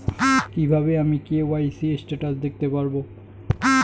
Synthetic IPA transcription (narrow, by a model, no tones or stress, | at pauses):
kibʱabeamikeewajsiesʈaʈasd̪ek̚ʰt̪epaɹbo